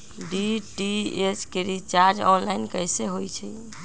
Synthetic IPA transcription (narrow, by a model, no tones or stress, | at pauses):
ɖiʈieskeɾit͡ʃaɾd͡ʒɔnlainkəjseɦojt͡ʃʰɛ